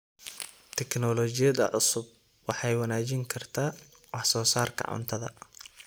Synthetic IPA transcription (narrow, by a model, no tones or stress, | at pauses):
t̪ʰɛknɔːlɔːt͡ʃɪjɐðɐ̰ʕʊsʊb̚ | wɑħɑjwɑnaːt͡ʃɪŋkʰɐrt̪ʰaː | wɑħsɔːsaːrkʰɐ̰ʕʊ̰nt̪ʰɐðɐ̰